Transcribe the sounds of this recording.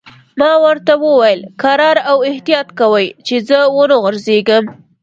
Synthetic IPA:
mɑwəɾt̪awəwajəlkaɾɑɾawɪht̪ijɑt̪kawəjt͡ʃezəwənəɣʊɾzeɡəm

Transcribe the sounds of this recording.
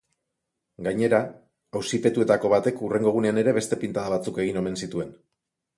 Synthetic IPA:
ɡajɲe̞ɾa | awsipe̞t̪ue̞t̪ako̞βat̪e̞kure̞ŋɡo̞ɣ̞une̞ane̞ɾe̞βe̞st̪e̞pint̪aðaβat͡suke̞ɣ̞ino̞me̞nsit̪ue̞n

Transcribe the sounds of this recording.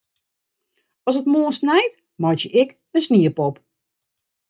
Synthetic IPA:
ɔsətmoːsnɛjt | mɔjtəʔɪk | ənsniəpɔp

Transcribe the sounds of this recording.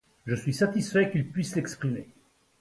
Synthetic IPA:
ʒəsɥisat̪isfɛkilpɥislɛkspχime

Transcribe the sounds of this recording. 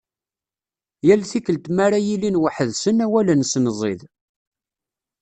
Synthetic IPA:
jælθikːəlt̪maɾajilinwəħəðsənæwælənsnzˤeð

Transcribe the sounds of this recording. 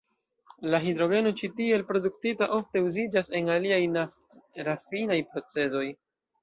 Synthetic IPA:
laɦidɾo̞ɡe̞no̞t͡ʃitielpɾo̞duktitaʔo̞fte̞uzid͡ʒase̞naliajnaftɾafinajpɾo̞t͡se̞zo̞j

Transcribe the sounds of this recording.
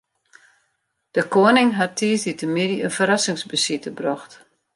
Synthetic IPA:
d̥əkoənɪŋɦatʰiːsditəmidiənfəɾasɪŋsbəsitəbrɔxt

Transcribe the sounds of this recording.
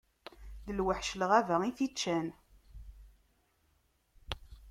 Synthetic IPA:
ðəlwəħʃləʁævæʁiθit͡ʃːæn

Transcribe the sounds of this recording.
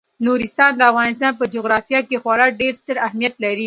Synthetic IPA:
noɾɪst̪ɑnd̪əafɣɑnɪst̪ɑnpəd͡ʒoɣɾɑfijɑkexwɑɾɑɖeɾst̪əɾahmijat̪laɾi

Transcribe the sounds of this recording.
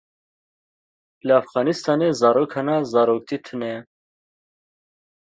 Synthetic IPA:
ləafɣɑːnist̪ɑːnezɑːɾoːkhɛnɑzɑːɾoːk̚t̪ʰit̪ʰɨnɛ

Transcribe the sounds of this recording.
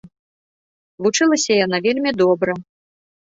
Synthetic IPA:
vut͡ʂɨlˠɐsʲɐjanavʲelʲmʲid̪ɔbɾɐ

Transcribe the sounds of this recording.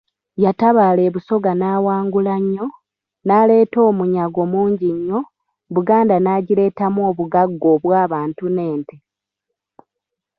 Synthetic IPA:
jataβaːle̞ːβuso̞ɡanaːwaːŋɡulaɲːo̞ | naːle̞ːto̞ːmuɲaɡo̞muːɲɟiɲːo̞ | βuɡaːndanaːɟile̞ːtamo̞ːβuɡaɡːo̞ːβwaːβaːntune̞ːnte

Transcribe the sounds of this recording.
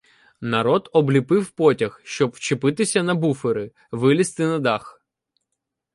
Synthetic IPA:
nɐɾɔd̪ɔblʲipɪwpɔtʲɐxʃt͡ʃɔbwt͡ʃɪpɪt̪ɪsʲɐnɐbufeɾɪ | ʋɪlʲist̪ɪnɐd̪ɑx

